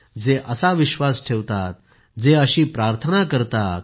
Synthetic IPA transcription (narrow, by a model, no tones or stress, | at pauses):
d͡zeʔəsaʋiɕʋasʈʰeʋt̪at̪̚ | d͡zeəɕiːpɾaɾt̪ʰənakəɾt̪at̪̚